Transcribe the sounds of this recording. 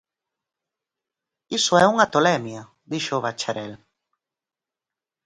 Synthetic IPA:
isʊɛuŋat̪olɛmja | d̪iʃoːβat͡ʃaɾɛl

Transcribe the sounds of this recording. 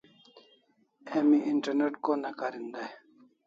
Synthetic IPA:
emiʔiɳʈɐɾneʈkonɐkaɾind̪aj

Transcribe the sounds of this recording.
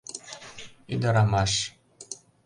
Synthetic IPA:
id̪ɑɾɑmɑʃ

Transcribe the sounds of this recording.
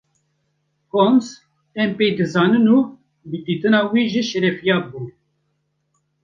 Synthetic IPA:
kons | ɛmpeːjd̪ɨzɑːnɨnu | bɨd̪iːt̪ɨnɑːwiːʒɨʃɛɾɛfijɑːbuː

